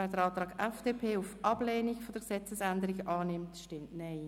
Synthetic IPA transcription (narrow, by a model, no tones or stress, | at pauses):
ɛdəɾɑːtɾʁɑːɡɛfd̥eːpʰeːufʔɑb̥leːniɡfɔd̥əɾksɛt͡səsændəɾiɡʔɑːnɪmtʃtɪmtnɛɪ